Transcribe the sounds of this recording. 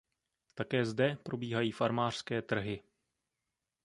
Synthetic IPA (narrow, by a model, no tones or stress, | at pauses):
t̪akɛːzdɛpɾo̞biːɦajiːfaɾmaːr̥skɛːt̪r̩ɦɪ